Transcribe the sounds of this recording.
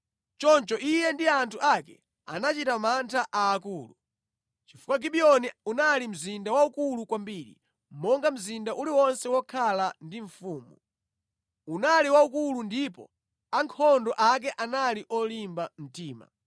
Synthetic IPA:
t͡ʃɔnt͡ʃɔʔijɛndiantʰuʔakɛ̰ | anat͡ʃitamantʰaʔaːkuːlṵ | t͡ʃifukwaɡiɓiɔniunalim̩zindawaukulukwambiːɾḭ | mmɔŋɡam̩zindaʔuliwɔnsɛwɔkʰalandiɱfuːmu | unaliwaukulundipɔ̰ | aŋkʰɔndɔʔak̬ɛʔanaliʔɔlimbam̩tiːma̰

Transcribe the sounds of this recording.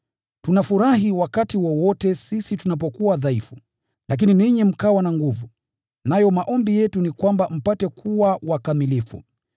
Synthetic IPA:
tunafuɾaɦiwakatiwɔwɔtɛsisitunap̬ɔkuwaðaifu | lak̬ininiɲɛm̩kawanaŋɡuvu | najɔmaʔɔmbijɛtunikwambam̩patɛkʰuwawakamilifṵ

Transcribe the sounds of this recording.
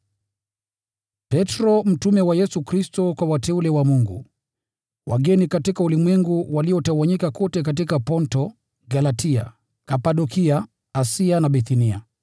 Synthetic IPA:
pɛtɾɔm̩tumɛwajɛsukɾistɔkwawatɛulɛwamuŋɡṵ | wʔa̰ɡɛnikatikaulimwɛŋɡuwaliɔtawaɲikakɔtɛkat̬ikapɔntɔ | ɡalatʰia̰ | kapaɗɔkiaː | sianaɓiθinia̰

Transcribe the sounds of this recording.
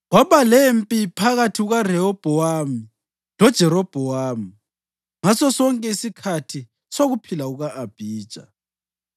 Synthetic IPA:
waβalempʼipʰaɣatʰiɣarɛɔb̥ʱɔwami | lɔd̥ʒ̥ʱɛɾɔb̥ʱɔwam̩ | ŋasɔsɔŋkʼɛisikʰatʰi | soɣupʰilauɣaʔab̥ʱiːd̥ʒ̥ʱa

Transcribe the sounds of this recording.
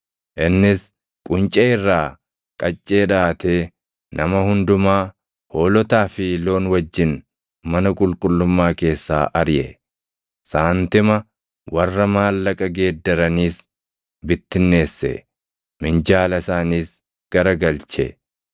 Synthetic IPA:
ʔɪnːɪs | kʼʊnt͡ʃʼɛɪrːaː | kʼɐt͡ʃʼːeːᶑaːt̪eː | nɐmɐhʊnd̪ʊmaː | ho̞ːlɔt̪aːfilo̞ːnwɐd͡ʒːɪn | mɐnɐkʼʊlkʼʊlːʊmːaːke̞ːsːa̰ːʔɐɾjɛ | saːnt̪ɪmɐ | wɐrːɐmaːlːɐkʼɐɡe̞ːd̪ːɐɾɐniːs | bɪt̪ːɪnːe̞ːsːɛ̰ | mɪnd͡ʒaːlɐsaːniːs | ɡ̥ɐɾɐɡɐlt͡ʃɛ̰

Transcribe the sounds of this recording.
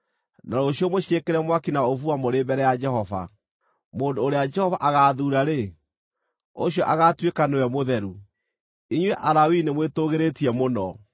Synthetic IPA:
naɾoɕijɔmoɕekeɾɛmwakinaovuamoɾebɛɾɛjad͡ʒɛhɔva̰ | moːndoːɾead͡ʒɛhɔvaʔaɣaːðuːɾaɾe | o̰ɕjɔʔaɣatwekanewɛmoðɛɾu | iɲwɛʔaɾawinemwetoɣeɾetiɛmonɔ

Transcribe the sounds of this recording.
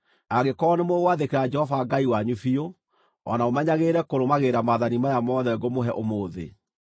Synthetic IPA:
aɣekɔːnemowaðekeɾad͡ʒɛhɔvaɡaiwaɲufio | ɔ̰naomɛɲaɣeɾɛkoɾomaɣeɾamaðanimajamɔːðɛɡomoɦɛʔomoːðḛ

